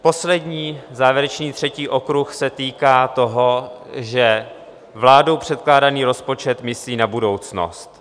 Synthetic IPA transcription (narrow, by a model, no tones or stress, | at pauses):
po̞slɛdɲiːzaːvjɛɾɛt͡ʃniːt̪r̝̥ɛciːʔo̞kɾuxsɛt̪iːkaːt̪o̞ɦo̞ʒɛ | vlaːdo̞wpr̥ɛt̪̚klaːdaniːɾo̞spo̞t͡ʃɛt̪mɪsliːnabudo̞wt͡sno̰st̪